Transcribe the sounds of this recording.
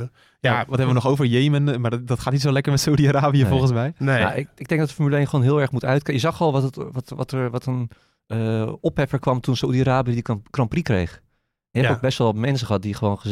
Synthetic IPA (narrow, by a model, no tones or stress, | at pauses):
jaʋɔtɦɛbəʋənɔχowvəɹjejmənmadɔtχaːtnitsolɛkəɹmɛtsoudiaɾaːbijəfɔlˠχənsmɛjma̰ɪɪɡ̚dɛŋk̚dɔtəfəɹmylejnχəʋoːnɦɪːlˠɛɹmutœɥtkjəzɑχɔlˠʋɔttʋɔtʋɑtəɹʋɔtən | əɔpɦɛfəɹkʋɑmtunsoudiaɾaːbiədikrɑmprikrḛjx | ɛnəɛbok̚bɛstʋɛlˠʋɔmɛns̬əχəɦɑt̚diχəʋoːnχə